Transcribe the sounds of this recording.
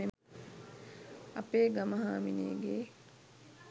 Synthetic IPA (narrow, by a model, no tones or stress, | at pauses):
e | ɐ̰peːɡamɐɦaːmineːɡeː